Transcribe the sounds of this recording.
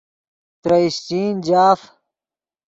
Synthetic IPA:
t̪ɾɐiɕt͡ɕiːnd͡ʑaːf

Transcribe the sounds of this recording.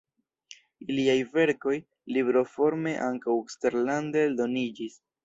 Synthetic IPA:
iliajve̞ɾko̞j | libɾo̞fo̞ɾme̞ʔaŋkawekste̞ɾlandedo̞nid͡ʒis

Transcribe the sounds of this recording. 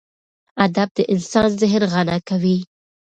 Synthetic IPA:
ad̪ab̚d̪əʔɪnsɑnzɪɦnɣanakawi

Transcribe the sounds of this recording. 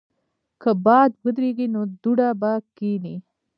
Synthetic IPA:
kəbɑd̪wəd̪ɾeɡinod̪uɽabakini

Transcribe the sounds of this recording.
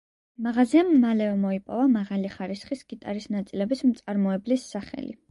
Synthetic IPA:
maʁaziamːalɛvɛmɔipʼɔvamaʁaliχaɾisχisɡ̥it̪ʼaɾisnat̪sʼilɛbismt̪sʼaɾmɔɛblisːaχɛ̰lḭ

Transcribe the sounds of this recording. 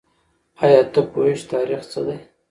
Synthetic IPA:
ɑjɑːt̪əpoeʃt̪ɑɾiχt͡səd̪aj

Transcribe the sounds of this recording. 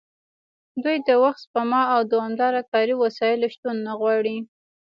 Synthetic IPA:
d̪ujd̪əwaxt̪pamɑawd̪əamd̪ɑɾakɑɾiwasɑjɪloʃt̪unːaɣwɑɽi

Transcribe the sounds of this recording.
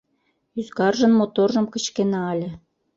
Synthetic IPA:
yzkɑrʒɤ̆nmot̪orʒɤ̆mkə̆t͡ɕkenɑɑlʲĕ

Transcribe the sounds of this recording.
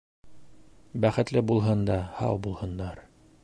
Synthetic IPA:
bæχɘ̆t̪lɘbulˠɦɤnd̪ɑhɑ̰wˠbulˠhɤ̆nd̪ɑɾ

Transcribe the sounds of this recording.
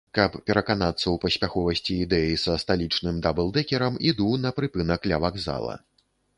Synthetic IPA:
kɐppʲɛɾɐkanat̪sːɐwpɐsʲpʲaxɔvɐsʲt͡sʲiːd̪ɛjɐjsɐst̪alʲit͡ʂnɨmd̪abɛlˠd̪ɛkʲɛɾɐmid̪unɐpɾɨpɨnɐklʲɐvaɡza̰lˠɐ̰

